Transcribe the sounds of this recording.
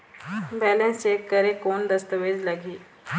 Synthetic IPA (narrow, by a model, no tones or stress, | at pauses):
bɛːlɛ̃nseːkːəɾekoːnd̪ɐst̪əʋeːzlɐɡʱiː